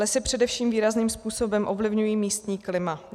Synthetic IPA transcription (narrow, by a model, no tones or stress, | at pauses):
ɛsɛpr̝̥ɛdɛfʃiːmviːɾazniːmspuːso̞bɛmʔovlɪvɲujiːmiːst̪ɲiːklɪma